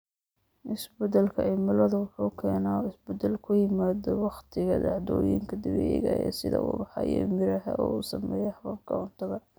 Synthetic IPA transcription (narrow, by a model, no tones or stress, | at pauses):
ʔɪsbɛd̪ɐlkʰɐʔɪmɪlɐðʊwʊħuːkʰɛːnaɪsbɛd̪ɛlkʰʊjɪmaːðɔwɑχt̪ʰɪɣɐd̪ɑʕd̪ɔːjɪŋkʰɐd̪ɪβɛːjɣɐɛ̰ːsɪðɐ̰ʔuːbɑħɑ̰jɛ̰mɪɾɐɦɐʔɔːusɐ̰mɛːjɛhɑβɐb̚kʰɐʕʊnt̪ʰɐðɐ